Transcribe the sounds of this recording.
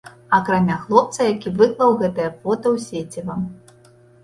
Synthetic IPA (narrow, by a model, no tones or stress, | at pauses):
ɐkɾamʲaxlˠɔp̚t̪sɐjakʲivɨklˠɐwɣɛt̪ɐjɐfɔt̪ɐwsʲet͡sʲivɐm